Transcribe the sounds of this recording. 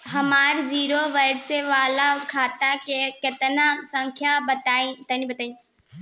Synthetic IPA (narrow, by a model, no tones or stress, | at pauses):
ɦɐmaːɾd͡ʒiːɾoʋəɽseʋaːlakʰaːt̪akekɐt̪nasə̃ŋkʰjabɐt̪aĩt̪ainibɐt̪aːĩ